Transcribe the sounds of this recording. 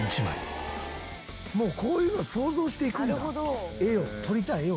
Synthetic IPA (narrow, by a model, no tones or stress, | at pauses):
it͡ɕimã̰ | mo̞ːkʰo̞ːjɯːnoso̞ːzo̞ːɕi̥t̪e̞ikɯɾɦod̪oeot̪ʰo̞ɾʲit̪ae